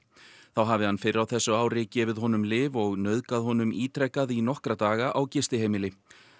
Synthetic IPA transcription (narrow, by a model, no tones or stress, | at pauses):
θawɦavɪhanfɪɾɾawθɛsːʏaːwɾɪcɪvɪðɦɔnʏmlɪːvɔɣnœðkaðhɔnʏmiːt̪ʰɾɛkːaðinɔhkɾat̪aːɣaʔawcɪst̪ɪheːjmɪlɪ